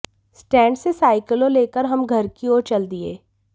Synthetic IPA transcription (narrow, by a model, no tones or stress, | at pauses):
sʈɛ̃ːɳɖsesaːɪkəlõleːkəɾɦɐmɡʱɐɾkioːɾt͡ʃɐld̪iḛː